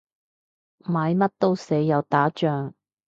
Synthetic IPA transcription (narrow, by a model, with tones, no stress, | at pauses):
maː˨˧jmɐ˥t̚t̪o˥wse˨˥jːɐ˨˧wt̪aː˨˥t͡ʃœː˨ŋ